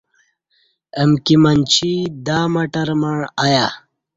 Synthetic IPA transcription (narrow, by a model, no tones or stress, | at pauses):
əmkimɐnt͡ɕʰid̪aːmɐʈɐɾmɐɳaja